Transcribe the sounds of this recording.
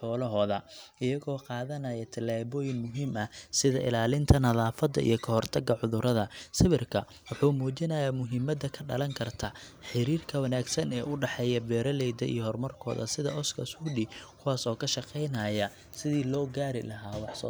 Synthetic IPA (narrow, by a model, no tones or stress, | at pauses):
ħɔːlɐɦɔːðɐɪjɐɣɔːqɑːðɐnɐjɐt̪ʰɐlaːβɔːjɪnmʊɦiːmɐsɪðɐʔɪ̰laːlɪnt̪ʰɐnɐðaːfɐd̪ɐ̰ḭjɞkʰɐɦɔrt̪ʰɐɡɐʕʊðʊɾɐðɐsɪβɪrkʰɐ | wʊħuːmuːt͡ʃɪnɐjamʊɦɪmɐd̪ɐkʰɐɖɐ̰lɐŋkʰɐrt̪ʰaħɪɾiːrkʰɐwɐnaːɡsɐnɛːʔʊɖɑħɛːjɐbɛːɾɐlɛjd̪ɐ̰ʔḭjɔɦɔrmɐrkʰɔ̰ːðɐ̰sɪðɐ̰ʔɔskʰɐ̰suɖikʰʊwaːsɔːkʰɐʃɑqɛjnɐjɐ | sɪðiːlɔːɡaːɾɪ̰lɐɦaːwɑħsɔ̰